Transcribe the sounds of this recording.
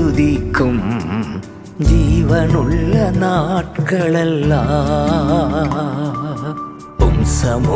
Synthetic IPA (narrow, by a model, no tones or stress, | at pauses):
ʊðikːɯm | d͡ʒiːʋɐnʊɭːɐnaːʈkɐɭɛlːaː | pʊmsɐmo